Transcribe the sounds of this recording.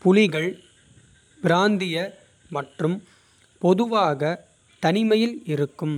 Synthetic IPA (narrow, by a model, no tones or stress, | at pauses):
pʊlɪɣɐɭ | pɪɾaːnd̪ɪjɐ | mɐʈrɯm | pɔðɯʋaːɣɐ | t̪ɐnɪmɐjɪlɪɾɯkːɯm